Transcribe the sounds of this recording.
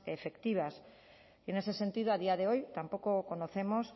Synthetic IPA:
efekt̪iβas | ienesesent̪ið̞oaðiaðeojt̪ampokokonoθemos

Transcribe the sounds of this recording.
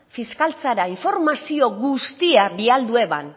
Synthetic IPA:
fiskalt͡saɾaiɱfo̞ɾmasio̞ɣust̪iaβiald̪ue̞βa̰n

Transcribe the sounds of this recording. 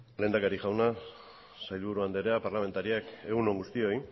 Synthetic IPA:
le̞ːnd̪akaɾiʝawna | sajlβuɾuand̪eɾeapaɾlame̞nt̪aɾiake̞ɣuno̞ŋɡust̪io̞j

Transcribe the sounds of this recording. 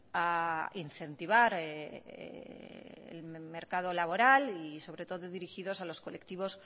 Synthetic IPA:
ainθe̞nt̪iβ̞aɾeḛ | ḛlmme̞ɾkað̞o̞laβo̞ɾaliso̞β̞ɾe̞t̪oðoðiɾixiðo̞salo̞sko̞le̞kt̪iβ̞o̞s

